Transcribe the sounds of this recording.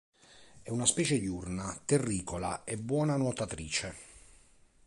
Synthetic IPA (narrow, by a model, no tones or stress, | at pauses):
ɛunaspɛːt͡ʃed̪iurnat̪erːiːkola̰ɛbːwɔːnanot̪at̪ɾiːt͡ʃe